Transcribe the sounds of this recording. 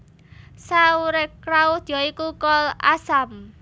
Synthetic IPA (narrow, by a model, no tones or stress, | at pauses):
sauɾekɾaʊhd̪̥jɔikukɔlasam